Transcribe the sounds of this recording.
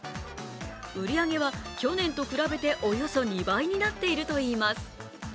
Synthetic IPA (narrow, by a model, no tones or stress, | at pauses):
ɯ̟ɾʲiaɡe̞βakʲo̞nẽ̞nt̪o̞kɯ̟ɾabe̞t̪e̞ʔo̞jo̞so̞ɲ̟ibaiɲ̟inat̪ːe̞iɾɯ̟t̪o̞iːmasɨ̥